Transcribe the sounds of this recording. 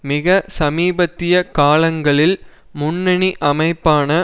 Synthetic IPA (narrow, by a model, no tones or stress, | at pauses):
mɪɣɐsɐmiːbɐt̪ːɪjɐkaːlɐŋɡɐɭɪl | mʊnːɐɳiʔɐmɐɪpːaːnɐ